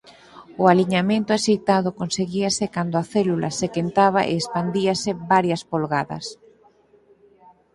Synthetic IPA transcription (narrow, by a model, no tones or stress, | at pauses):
ʊaliɲamẽnt̪ʊasejt̪aðʊkonseɣiasekand̪oaθɛlulʔa̰sekent̪aβaʔḛːspand̪iɐsɪbaɾjɐspolɣaðɐ̰s